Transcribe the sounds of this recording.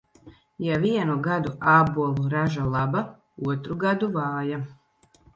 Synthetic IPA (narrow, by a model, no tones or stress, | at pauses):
javiɛnuɡad̪uʔaːbuɔlˠuɾaʒalˠaba | uɔt̪ɾuɡad̪uvaːja